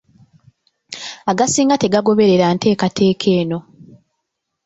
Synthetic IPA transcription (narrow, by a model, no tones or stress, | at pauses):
aɡasiːŋɡate̞ɡaɡo̞βe̞ɾe̞ɾantʰe̞ːkatʰe̞ːkʰe̞ːno̞